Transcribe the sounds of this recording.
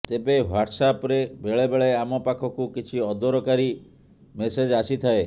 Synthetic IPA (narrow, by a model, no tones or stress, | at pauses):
t̪ebewaʈsapɾebeɭebeɭeamɔpakʰɔkukit͡ʃʰiɔd̪ɔɾɔkaɾi | mesed͡ʒasit̪ʰae